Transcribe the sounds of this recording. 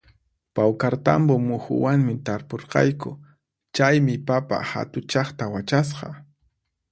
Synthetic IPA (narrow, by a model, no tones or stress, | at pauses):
pawkaɾt̪a̰mbomʊxʊ̰waŋmɪt̪aɾpoɾqɑ̰jkʊ | t͡ʃajmɪpapa̰ha̰t̪ʊt͡ʃɑχt̪awat͡ʃas̬qɑ